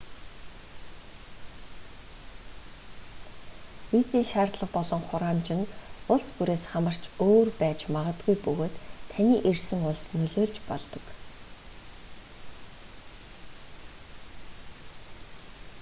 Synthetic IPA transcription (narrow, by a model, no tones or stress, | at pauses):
wiːt͡s̪iːnʃaːrt̪ɮə̆qpɔɮɞ̆ŋχʊɾaːmt͡ɕɪ̆nʊɮspuɾeːsχamə̆r̥t͡ɕʰoːrpæːt͡ɕmaʁə̆t̪ɡujpɵɣoːt̪ʰːaniːʔersɘ̆ŋʊɮsnɵɮoːɮt͡ɕpɔɮt̪ɞ̆k